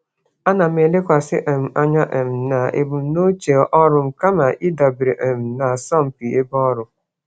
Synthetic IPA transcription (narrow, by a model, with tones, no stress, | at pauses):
a˦na˨m̩˦e˨le˦kʷa˨sɪ̰˦ʔe˨m̩˨a˦ɲa˦ʔe˨m̩˨na˨ḛ˨bu˨˦no˦t͡ʃe˨ʔɔ˦ɾʊ˨m̩˨ka˦ma˨ʔi˦da˨bɾe˨ʔe˨m̩˨na˨sɔ˦m̩˨pi˨e˦bɔ˦ɾʊ˦